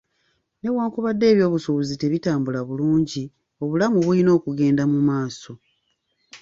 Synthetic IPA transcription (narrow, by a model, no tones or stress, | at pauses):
ne̞waːŋkuβadːe̞ːβjo̞ːβusuβuzite̞βitaːmbulaβuluːɲɟi | o̞βulamuβulino̞ːkuɡe̞ːndamumaːso̞